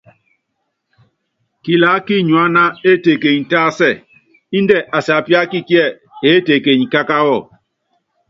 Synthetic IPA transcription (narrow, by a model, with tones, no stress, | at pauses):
ki˨la˨˦ki˦ɲwa˦na˦e˦˨te˨ke˨ɲ˨taː˦sɛ˦˨ | i˦ndɛ˦˨ʔa˨sa˨pi˦a˦ki˦ki˦ɛ˦˨ | e˨˦te˨ke˨ɲi˨ka˦ka˦wɔ˦˨